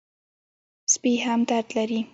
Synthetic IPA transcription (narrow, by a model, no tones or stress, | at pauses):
spiɦamd̪aɾd̪laɾi